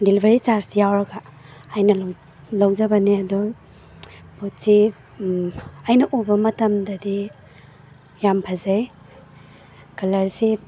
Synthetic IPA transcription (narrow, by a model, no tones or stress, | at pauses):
dilbʱɐɾit͡ʃaɾsijawɾɐɡɐːjnɐ | lɐwzɐbɐniɐdɔ | put̚si | ɐjnɐʔubɐmɐtɐmdɐdi | jampʰɐzaj | kɐlɐɾsi